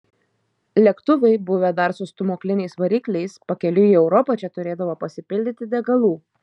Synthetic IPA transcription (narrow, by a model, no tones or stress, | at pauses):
lʲɛkt̪ʊʋʲɛɪbʊʋʲɛd̪ɐɾsʊst̪ʊmoːklʲɪnʲɛɪsʋɐɾʲiːklʲɛɪspɐkʲɛlʲʊiɛʊɾɔpɐt͡ʃʲɛt̪ʊɾʲeːd̪ɐʋoːpɐsʲɪpʲɪlʲd̪ʲɪt̪ʲɪd̪ʲɛɡɐlˠuː